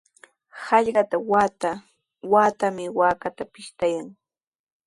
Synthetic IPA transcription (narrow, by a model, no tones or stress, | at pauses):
hɑʎɢɑt̪awat̪a | waːt̪amɪwaːkat̪apɪʃt̪ajaŋ